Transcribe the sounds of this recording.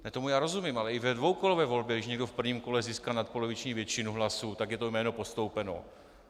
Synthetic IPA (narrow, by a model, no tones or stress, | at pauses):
nɛt̪omujaːɾo̞zumiːmʔalɛɪvɛdvowkolovɛːvo̞lbjɛɡdɪʃɲɛɡdofpr̩vɲiːmko̞lɛziːskalnat̪̚polovɪt͡ʃɲiːvjɛt͡ʃɪnuɦlasut̪aɡjɛt̪ojmɛːnopo̞st̪owpɛno̰